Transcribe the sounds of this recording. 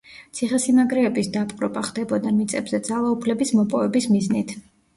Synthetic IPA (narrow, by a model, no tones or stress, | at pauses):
t̪sʰiχɛsimaɡɾɛːbisd̪apʼqʼɾɔbaχd̪ɛbɔd̪amit̪sʼɛbz̥ɛd̪zalˠaupʰlɛbismɔpʼɔvɛbismiznit̪ʰ